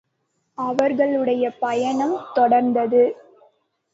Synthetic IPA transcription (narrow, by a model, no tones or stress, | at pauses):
ɐʋɐɾɣɐɭɯɽɐjɐpɐjɐɳɐmt̪ɔɽɐɾnd̪ɐðɯ